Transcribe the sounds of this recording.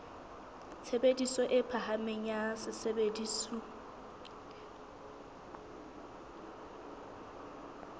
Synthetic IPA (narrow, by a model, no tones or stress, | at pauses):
t͡sʰebedisɔʔɪpʰaɦamɪɲasɪsebedisu